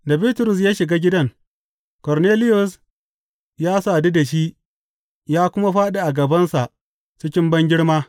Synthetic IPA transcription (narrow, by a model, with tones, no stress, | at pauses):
da˨biː˦tʊ˨ɾʊ˨s̬jaː˦ʃɪ˨ɡaː˦ɡʲɪ˦dɐ˦ŋ | kɔ˨ɾneː˦lɪ˦jʊ˨s | jaː˦saː˨di˦da˨ʃi˦ | jaː˦kʷʊ˦ma˦ɸaː˦ɗa˨ʔa˨ɡɐ˨bɐ˦nsa˨ʔ | t͡ʃɪ˦kʲɪ˦mbɐ˦ŋɡʲɪ˦ɽmaː˦